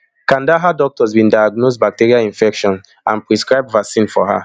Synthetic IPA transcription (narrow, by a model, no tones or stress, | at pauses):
kãndaɦadɔk̚tɔsbĩndajaɡnosbak̚teɹiaĩnfɛkʃɔ̃n | ãnpɹiskɹaɪbvasĩnfɔɦa̰